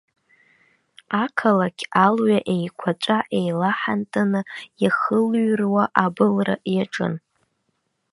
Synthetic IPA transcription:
akʰalaɡʲʰalɥaʔe̞jkʷʰat͡ʃʷʼaʔe̞jlaħantʼanɨjaχəlɥrwaʔabɨlra̰ʔjaʈ͡ʂʼɨ̰n

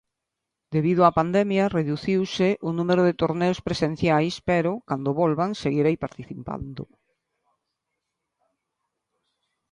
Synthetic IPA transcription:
d̪eβið̞oapand̪ɛmjareðuθiwsɪʔʊnũmeɾʊðet̪oɾneospɾesen̟θjajspɛɾʊkand̪oβɔlβaŋseɣiɾajpaɾt̪iθipa̰nd̪ʊ̰

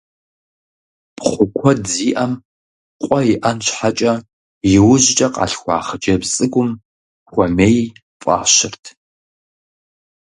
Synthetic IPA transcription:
pχʷʊkʷʰɔdziːʔɐm | qʷʼɔjɪʔɐnt͡ʃħat͡ʃʼɐ | jɪwʊʑt͡ʃʼɐqʼɑ̰ːɬxʷɑ̰ːχət͡ʃʼɐbsʼɨɡʷʊm | xʷɔmeːj | fʼɑ̰ːɕɪrtʰ

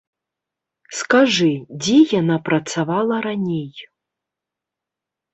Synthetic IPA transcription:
skaʐɨd͡zʲɛjanapɾɐt̪savalˠɐɾanʲej

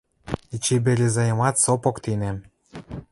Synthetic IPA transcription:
it͡ɕibelʲezɑjmɑt̪sopŏkt̪inĕ

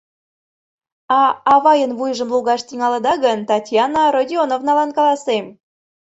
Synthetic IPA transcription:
ɑːβɑjənβujʒə̆mluɣɑʃt̪iŋɑlə̆d̪ɑɣənt̪ɑtʲjɑnəɾodʲionovnɑlɑnkɑlˠɑsem

